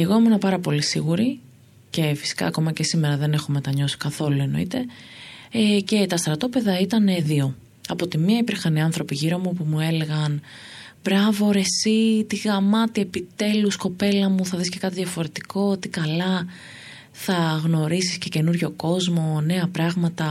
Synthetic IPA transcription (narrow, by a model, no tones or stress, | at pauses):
eɣomuinɐpɐɾɐpo̞lisiɣuɾi | ce̞fi̥si̥kɐ̰ːko̞mɐce̞sime̞ɾɐðe̞ne̞xo̞met̪ɐɲo̞si̥kɐθo̞lue̞no̞̰ḭt̪e̞ | ce̞t̪ɐst̪ɾɐt̪o̞pe̞ðɐit̪ɐneðio̞ | ɐpot̪imiɐipiɾxɐniɐnθɾo̞piʝiɾo̞mupumue̞le̞ɣɐnbɾɐvo̞ɾe̞sit̪iɣɐmɐt̪ie̞pit̪e̞lusko̞pe̞lɐmuθɐðisce̞kɐt̪iðʝɐfo̞ɾe̞t̪i̥ko̞ot̪ikɐlɐ | θɐɣno̞ɾisi̥sce̞ce̞nuɾʝo̞ko̞zmo̞ne̞ɐpɾɐɣmɐt̪ɐ